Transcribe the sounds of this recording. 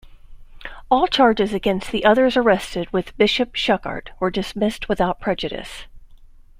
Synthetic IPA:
ɔlˠt͡ʃʰɑɹd͡ʒɨzɨɡɛ̃nst̪̚ðiʔʌðə˞zə˞ɛstɨd̚wɪðbɪʃɨpʃʌkɑ̰ɹɾwə˞dɨsmɪst̚wəθaʊt̚pʰɹ̥ɛd͡ʒɨɾɨ̰s

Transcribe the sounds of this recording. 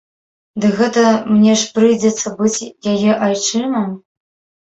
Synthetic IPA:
d̪ɨɣɛt̪ɐmnʲɛʂpɾɨjd͡zʲɛt̪sːɐbɨt͡sʲjajɛʔajt͡ʂɨmɐm

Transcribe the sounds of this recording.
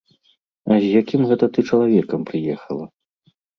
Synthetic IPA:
ɐzʲjakʲimɣɛt̪ɐt̪ɨt͡ʂɐlˠavʲɛkɐmpɾɨjɛxɐlˠɐ

